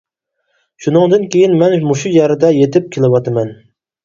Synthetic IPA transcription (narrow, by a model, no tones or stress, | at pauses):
ʃunɨŋd̪ɨnkʲʰejinmɛnmuʃujæɾɪd̪ɛjet̪ʰɪp̚kʲʰelˠɪwɑt̪ʰɨmɛn